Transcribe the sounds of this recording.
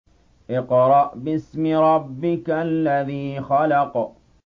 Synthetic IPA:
ʔɪqɾˤɑʔbɪsmɪɾˤɑbːɪkalːaðiːxalɑq

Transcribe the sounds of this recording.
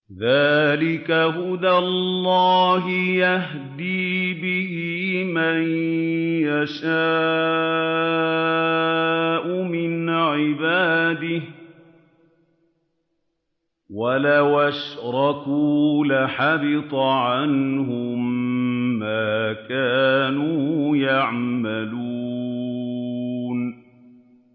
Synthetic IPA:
ðaːlɪkaɦʊd̪alːɑːɦɪjah | d̪iːbɪhimajjaʃaː | ʔʊmɪnʕɪbaːd̪ɪh | walawaʃɾˤɑkuːlaħabɪt̪ˤʕanɦʊmː | aːkaːnuːjaʕmalu | n

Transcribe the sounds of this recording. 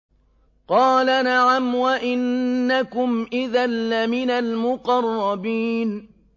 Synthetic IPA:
qɑːlanaʕamwaʔɪnːakʊmʔɪðanːamɪnalmʊqɑrˤːɑbiːn

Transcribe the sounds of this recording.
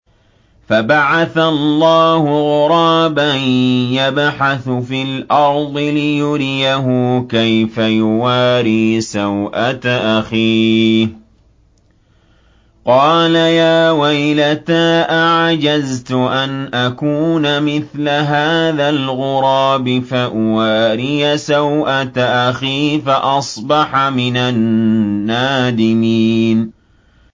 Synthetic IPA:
fabaʕaθallːɑːhʊɣʊɾˤɑːbanjabħaθfiːlʔɑɾˤd̪ˤɨlɪjʊɾɪjaɦʊkajfajʊwaːɾiːsawʔat̪ʔaxiː | qɑːlajaːwajlat̪aːʔaʕd͡ʒazt̪ʊʔanʔakuːnamɪθlaɦaːðalɣʊɾˤɑːbɪfaʔʊwaːɾiːsawʔat̪aʔaxiːfaʔɑsˤbɑħmɪnanː | aːd̪ɪmiːn

